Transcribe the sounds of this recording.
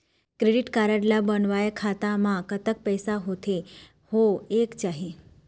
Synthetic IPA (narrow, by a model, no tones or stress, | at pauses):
kɾeɖiʈkaɾəɽlabənʋajakʰat̪amãkət̪ək̚pəjsaɦot̪ʰe | hoekt͡ʃaɦe